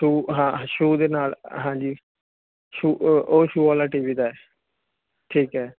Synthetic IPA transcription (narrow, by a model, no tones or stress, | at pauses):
ʈuːɦãːʃuːd̪eːnaːlɦãːd͡ʒiː | ʃuːoːʃuːaːlaːʈeːʋiːd̪aːɛː | ʈʰiːkɦɛː